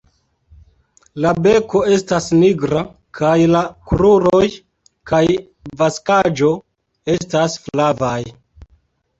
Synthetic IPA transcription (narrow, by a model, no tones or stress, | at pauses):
labe̞ko̞e̞stasniɡɾa | kʰajlakɾuɾoj | kaj | vaskad͡ʒo̞ | e̞stasflavaj